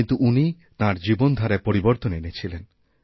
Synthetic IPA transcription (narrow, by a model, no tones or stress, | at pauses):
nt̪uʔuni | t̪ãɾd͡ʑibond̪ʱaɾapoɾiboɾt̪onenet͡ɕʰilen